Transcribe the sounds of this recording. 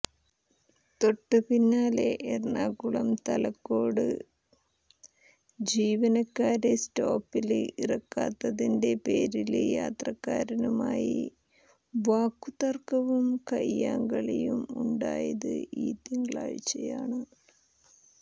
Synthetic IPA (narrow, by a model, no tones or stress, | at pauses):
t̪o̞ʈːɨpinːaːle̞ʔerɳaːkuɭɐmt̪ɐlɐkːo̞ːɽɨ̰ | d͡ʑiːʋɐnɐkːaːɾe̞stoːpːilirɐkːaːt̪ːɐðinde̞pe̞ːɾiljaːt̪rɐkːaːɾɐnumaːjḭ | ʋaːkːut̪ɐrkɐʋumkɐjːaːŋɡɐɭejumuɳɖaːjɐðɨ̰ʔiːt̪iŋɡɭaːjit͡ɕːɐjaːɳɨ